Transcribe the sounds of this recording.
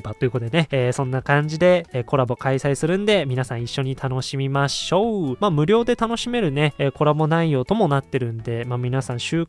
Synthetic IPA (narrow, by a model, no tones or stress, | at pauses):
at̪ːoiɯ̟kot̪oene̞eːsõ̞nːakãɲ̟d͡ʑid̪e̞eːko̞ɾabo̞kaisaisɨɾɯ̟̃nd̪e̞mʲinasãɰ̃iɕːo̞ɲ̟it̪ʰano̞ɕimʲimaɕo̞maːmɯ̟ɾʲo̞ːd̪e̞t̪ano̞ɕime̞ɾɯ̟ne̞ːko̞ɾabo̞naijo̞ːt̪o̞mo̞nat̪ːe̞ɾɯ̟̃nd̪e̞maːmʲinasãɰ̃ɕɨː